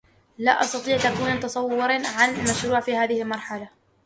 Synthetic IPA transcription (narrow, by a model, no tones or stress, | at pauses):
laːʔɑsˤt̪ɑt̪ˤiːʕt̪akuːnt̪ɑsˤɑwːʊɾʕanlmaʃɾuːʕfiːhaːðɪhɪlmɑɾˤħala